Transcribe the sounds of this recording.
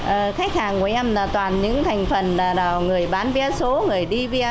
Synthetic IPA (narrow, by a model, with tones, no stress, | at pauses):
ʔəː˨˩xa˦˥k̚haː˨˩ŋku˧˩ʔɛ˧mlaː˨˩t̪waː˨˩nɲɨ̰˧˥ŋt̪ʰa˨˩ŋ̟fə˨˩nlaː˨˩ɗaː˨˩wŋɨ˨˩əjɓaː˨˦nvi˧ə˧so˨˦ŋɨ˨˩əjɗi˧vi˧